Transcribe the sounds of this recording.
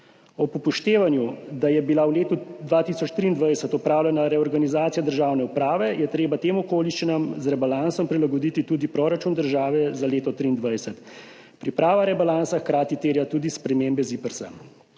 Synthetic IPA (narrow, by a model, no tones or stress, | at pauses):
ɔpɔpɔʃt̪eːʋanjud̪ajɛbilawleːt̪ud̪ʋat̪isɔt͡ʃt̪ɾiːnd̪ʋajsət̪ɔpɾaːwlʲɛnaɾɛɔɾɡanizaːt̪sijad̪əɾʒaːwnɛupɾaːʋɛjɛt̪ɾeːbat̪eːmɔkoːliʃt͡ʃinamzɾɛbalansɔmpɾilaɡɔd̪it̪it̪uːd̪ipɾoːɾat͡ʃund̪əɾʒaːʋɛzaleːt̪ɔt̪ɾiːnd̪ʋajsət̪ | pɾipɾaːʋaɾɛbalansaxkɾaːt̪it̪eɾjat̪uːd̪ispɾɛmembɛzipəɾsa̰m